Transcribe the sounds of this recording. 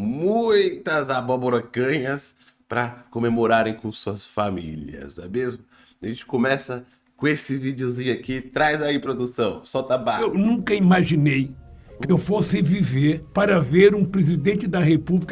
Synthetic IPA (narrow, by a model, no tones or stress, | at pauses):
mũj̃t̪ɐzabɔboɾokɐ̃ɲɐs | pɾɐkõmemoɾaɾẽj̃kõsuɐsfamiliɐ̰zɛ̰mezmʊ | ʒẽnt͡ʃɪ̥kõmɛsɐ | kõesɪvid͡ʒiozĩɲʊakit̪ɾajzaipɾod̪usɐ̃w̃sɔt̪abaewnũkɐimaʒinej | kɪewfosɪviveɾpaɾɐveɾũpɾezid̪ẽnt͡ʃɪd̪ɐɦepublik